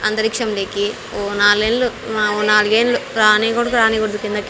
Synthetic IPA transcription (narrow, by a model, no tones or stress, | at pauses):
ɐnd̪ɐɾikʂɐmleːki | oːnaːlɡeːnluoːnaːluɡeːnluɾaːniːkoɽukuɾaːniːɡoɽd̪ukind̪ɐk